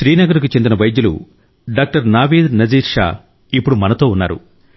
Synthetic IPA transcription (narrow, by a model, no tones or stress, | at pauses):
ʃɾiːnɐɡɐɾuk̬ut͡ʃe̞nd̪inɐʋɐjd̪julṵ | ɖaːk̚ʈɐɾnaːʋiːd̪nɐd͡ʒiːɾʃa̰ː | ipːuɽumɐnɐt̪o̞ːunːa̰ːɾṵ